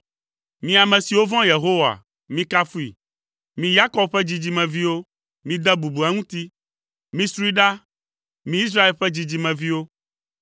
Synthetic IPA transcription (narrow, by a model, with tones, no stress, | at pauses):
mĩ˦a˨mɛ̃˨si˨wo˦vɔ̃˦je˨ɦo˦wa̰˨ | mĩ˦ka˦fu˦ḭ˨ | mĩ˦ja˦kɔ˦b̚ɸɛ˦d͡ʑi˦d͡ʑi˦mɛ̃˨vi˦wo˦ | mĩ˦d̪ɛ˦bu˨bu˨ɛ˦ŋũ˦t̪i˦ | mĩ˦sɾu˦i˦ɖa˦ | mĩ˦i˦s̬ɾa˦e˨lɸɛ˦d͡ʑi˦d͡ʑi˦mɛ̃˨vi˦wo˦